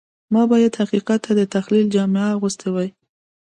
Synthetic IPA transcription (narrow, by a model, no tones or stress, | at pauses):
mɑbɑjad̪haqiqat̪ːad̪ət̪axlild͡ʒɑmɪaɣust̪ewaj